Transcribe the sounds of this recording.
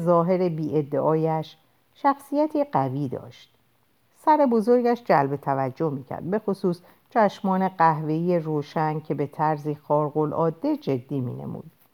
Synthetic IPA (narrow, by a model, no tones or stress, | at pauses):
zɒːɦe̞ɾebiːʔe̞d̪ːe̞ʔɒːjæʃ | ʃæxsijæt̪ʰiːɢæviːd̪ɒ̰ːʃt̪̚ | sæɾebo̞zo̞ɾɟæʃd͡ʒælbe̞t̪ʰævæd͡ʒːohmiːcʰæ̰ɾd̪̚be̞xosuːs | t͡ʃʰæʃmɒːne̞ɢæɦve̞ijeroːʃæncʰebe̞t̪ʰæɾziːxɒːɾɣo̞lʔɒ̰ːd̪ːe̞d͡ʒe̞d̪ːiːmḭːnḛmṵːd̪̥